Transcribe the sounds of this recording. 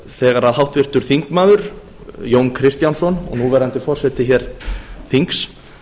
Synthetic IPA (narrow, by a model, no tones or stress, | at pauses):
θɛːɣaɾaðhawht̪vɪr̥t̪ʏɾ̥θiŋkmaːðʏɾ̥ | joːwnkʰɾɪst̪jansɔnɔ̰nuvɛɾant̪ɪfɔr̥sɛt̪ɪçɛːɾ̥θiŋks